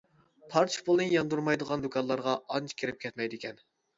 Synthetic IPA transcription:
pʰɑɾt͡ʃʰpolˠnɨjɑnd̪uɾmɑjd̪əʁɑnd̪okʰɑnlˠɑɾʁɑɑnt͡ʃʰkʲʰeɾɪp̚kʰʲɛt̪mɛjd̪ɪkʲɛn

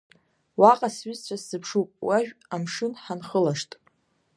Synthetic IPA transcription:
waqʼasɥizt͡ɕʷʰaszɨpʰʂupʼwaʒᶣamʂɨnħanχəlaʂtʼ

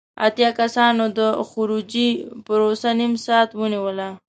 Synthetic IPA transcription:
a̰t̪jɑkasɑnod̪əxʊɾud͡ʒipəɾosanimsɑt̪wəniwəla

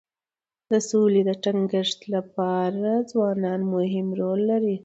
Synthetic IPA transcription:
d̪əsoled̪əʈaŋɡəʂt̪lapɑɾazwɑnɑnmʊɦɪmɾolːaɾi

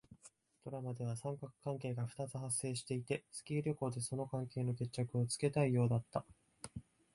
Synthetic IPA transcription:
t̪o̞ɾamad̪e̞β̞asãŋkakɯ̟̥kãŋke̞ːɡaɸɯ̟̥t̪at͡sɨɦasːe̞ːɕi̥t̪e̞it̪e̞sɨ̥kʲiːɾʲjo̞ko̞ːd̪e̞so̞no̞kãŋke̞ːno̞ke̞t͡ɕ̚t͡ɕːakɯ̟o̞t͡sɨ̥ke̞t̪aijo̞ːd̪at̪ːa

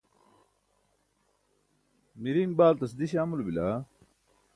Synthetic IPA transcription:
miɾiːmbaːlt̪ɐsd̪iɕaːmulbilaː

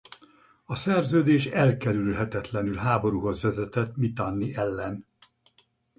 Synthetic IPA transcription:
ɒsɛrzøːd̪eːʃɛlkɛɾylɦɛt̪ɛt̪lɛnylɦaːbo̞ɾuːɦo̞zʋɛzɛt̪ɛt̪mit̪anːiʔɛlːɛn

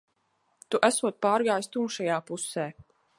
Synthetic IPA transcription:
t̪uʔæsuɔt̪̚paːɾɡaːjst̪umʃajaːpusɛː

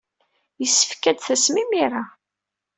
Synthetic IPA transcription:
jəsːə̥fkæd̪θæsmimiɾa

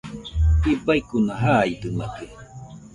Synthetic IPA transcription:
ibaikunaɦaːit̪ɨnakɯ

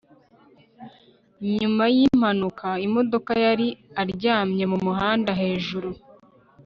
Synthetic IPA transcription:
ɲumajim̥hanukaimo̞do̞kajaɾiaɾɟaːmɲe̞mumuɦaːndaɦe̞ːʒuɾu

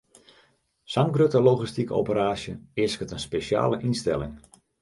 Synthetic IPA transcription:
saŋɡrøtəlowχistikəo̰wpəɾaːʃjəɪəskətənspeʃja̰ːləʔinstɛlɪ̰ŋ

